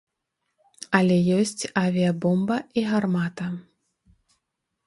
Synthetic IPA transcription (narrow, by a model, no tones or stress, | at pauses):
ɐlʲɛjɔsʲt͡sʲavʲijɐbɔmbɐiɣarmat̪ɐ